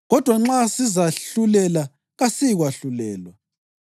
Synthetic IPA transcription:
ɣɔd̥ʱwaŋ͡ǁasizaɬulɛla | ɣasiɣwaɬulɛːlwa

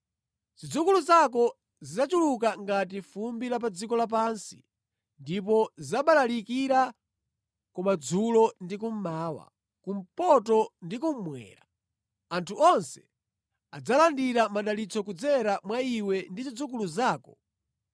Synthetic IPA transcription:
z̥id͡zukuluzak̬ɔ | zizat͡ʃulukaŋɡat̬ifumbilap̬ad͡zikɔlap̬ansi̥ | ndip̬ɔzaɓalalikiɾa | kumad͡zulɔndik̬um̩maːwa̰ | kum̩pɔtɔndikum̩mwɛ̰ːɾa | antʰuʔɔnsɛ̥ | ad͡zalandiɾamaɗalit͡sʰɔkud͡zɛɾamwaiwɛndizid͡zukuluzaːkɔ̥

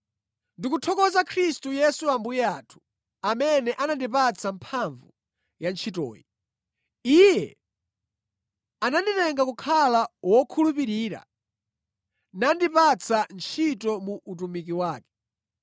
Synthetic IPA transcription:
ndikutʰɔkɔzakʰɾistujɛsuambujɛaːtʰu̥ | amɛnɛʔanandipat͡sʰampʰaɱvu | jant͡ʃʰitɔ̰ːji | ijɛ | ananditɛŋɡakukʰalawɔkʰulupiɾiːɾa̰ | nandipat͡sʰant͡ʃʰitɔmuʔːt̬umik̬iwaːkɛ̥

